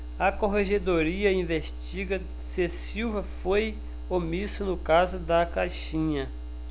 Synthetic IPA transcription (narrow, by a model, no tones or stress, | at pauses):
ɐkoɦeʒed̪oɾiɐĩveʃt͡ʃiɡɐ | ses | iwvɐfoj | omisʊnʊkazʊd̪ɐkaʃĩɲɐ